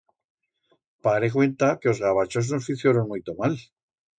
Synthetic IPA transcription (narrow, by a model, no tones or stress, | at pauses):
paɾek̬we̞nt̪akeo̞zɣaβat͡ʃoznosfiθjoɾonmujt̪omal